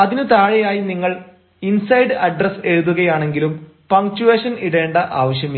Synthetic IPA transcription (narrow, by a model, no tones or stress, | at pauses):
ɐðinɨt̪aːɻɐjaːjiniŋːɐɭ | insɐjɖɨɐɖrɐseɻuðuɣɐjaːɳe̞ŋɡilum | pɐŋt͡ɕuʋeːʂɐniɽe̞ːɳɖɐʔaːʋɐɕjɐmi